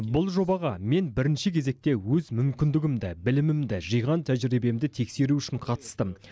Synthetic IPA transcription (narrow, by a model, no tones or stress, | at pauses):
bʊlˠʒo̞bɑʁɑme̞nbɪɾɪnʃɪkʲʰe̞ze̞k̚t̪e̞wɵzmʏmkʲɪnd̪ɪɡʲɪmd̪ɪbɪlɪmɪmd̪ɪʒijʁɑnt̪ʰæʒɪɾibe̞md̪ɪt̪ʰe̞kse̞ɾuʏʃɪɴqʰɑt̪ə̥st̪əm